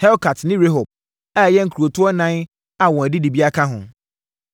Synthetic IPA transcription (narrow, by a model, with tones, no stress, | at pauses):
hɛ˦ʊ˦kʰa˨tnɪ̃˦ɾe˦ɦo˨b̚ | a˦˨jɛ˦ŋ̩˨kʰu˨ɾo˨tʰʊ˦ɔ˦nã˦n | a˨wɔ̃˨æ˨dɪ˦di˨bi˦a˦kʰã˦ɦʊ̰̃˨